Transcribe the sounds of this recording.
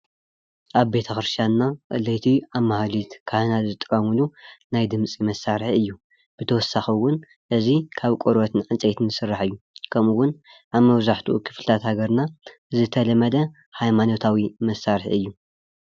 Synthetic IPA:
ʔaβbe̞t̪ʰɐxɨɾst̪jannaɨlɐjt̪ʰiaβmahlit̪kʰanazɨt̪ʼɨkʼɐmɨlunajd̪ɨmt͡sʼimɐsːaɾħɨjːu | b̥ɨt̪ʰɐwɔsːaxiwʊn | ʔɨzikʰaβkʷʼoɾwɐt̪ʰɨnʕant͡sʼet̪ʰɨnːɨsɨrːaħɨjːukʰɐmuwʊnʔaβmɐβzaħt̪ʰuʔukʰɨ̥flɨt̪ʰat̪haɡɐɾna | zɨt̪ʰɐlɐmɐd̪ɐ | hajmano̞t̪ʰawimɐsaɾħɨjːu

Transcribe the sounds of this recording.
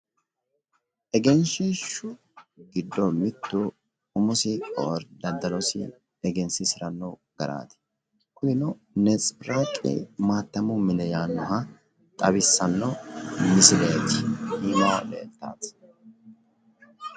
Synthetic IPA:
ʔɛɡɛnʃɛʃʊ | ɡɪd̪ːɔmɪt̪ːʊ | ʊmʊsɪɔɾd̪ɐd̪ɐlɔsɪ̰ | ɛɡɛnsɪsɪɾɐnːɔɡ̥ɐɾa̰ːt̪ɪ̥ | kʊnɪnɔ | nɛt͡sʼɾaːkʼːɛ̰maːt̪ːɐmʊmɪnɛjaːnːɔɦɐ | t̪ʼɐbɪsːɐnːɔmɪsɪleːt̪ɪiːmɐwalḛːlt̪ːa̰ːs

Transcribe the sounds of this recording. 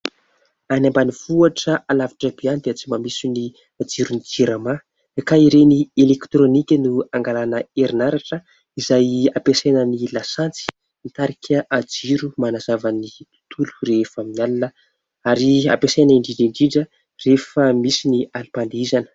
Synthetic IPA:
anambaniv̥uaʈ͡ʂəʔalavaʈ͡ʂəbiand̪et͡simamisini | ad͡ʒiɾunid͡ʒiɾama | ekaiɾenielekt̪ɾonikʲənuaŋɡalanəeɾinaɾaʈ͡ʂə | izajapesenənilasant͡si̥ | nit̪aɾikʲʰəʔad͡ziɾumanazavənit̪u̥t̪ʰulu̥refaminalinə | aɾia̰pesenəiɳɖ͡ʐiɳɖ͡ʐiɳɖ͡ʐiɖ͡ʐə | refəmisinialipand̪izanə̥

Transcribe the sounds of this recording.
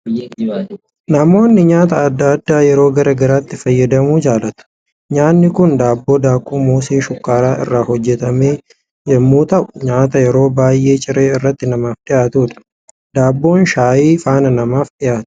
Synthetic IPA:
nɐmo̞ːnːɪɲaːt̪ɐːd̪ːɐd̪ːaːjɛɾo̞ːɡɐɾɐɡɐɾaːt̪ːɪfɐjːɐd̪ɐmuːd͡ʒaːlɐt̪ʊ̥ | ɲaːnːɪkʊnd̪aːbːo̞ːd̪aːkʼuːmoːseːʃʊkːaːɾaːʔɪ̰rːaːhɔd͡ʒːɛt̪ɐmeː | jɛmːuːt̪ɐʔʊ̥ɲaːt̪ɐjɛɾo̞ːbaːjʔe̞ːt͡ʃʼɪɾeːɪrːɐt̪ːɪnɐmaːfᶑ̪ɪʔaːt̪uːᶑɐ̥ | d̪aːbːo̞ːnʃaːjiːfaːnɐnɐmaːfᶑɪʔaːt̪ʊ̥

